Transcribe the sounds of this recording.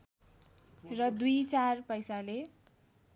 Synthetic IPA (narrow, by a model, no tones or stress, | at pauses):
rʌd̪ujt͡sarpʌjsale